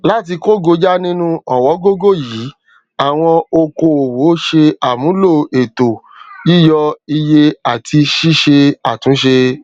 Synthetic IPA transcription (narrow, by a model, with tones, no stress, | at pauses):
la˦t̬i˧ko˦ɡo˧d͡ʒa˦nĩ˦nũ˦ɔ˨wɔ˨˦ɡo˦ɡo˦˨jiː˨˦ | a˨w̃ɔ̃˧o˧ko˧o˨wo˨˦ʃe˧a˨mũ˨˦lo˦˨e˨to˨ | ji˦jɔ˧i˧je˧a˨tʰi˧ʃi˦ʃe˧a˨tũ˨˦ʃe˧